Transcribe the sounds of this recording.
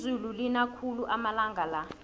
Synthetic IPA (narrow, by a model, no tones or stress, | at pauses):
zululinakʰuluʔamalaŋɡʱala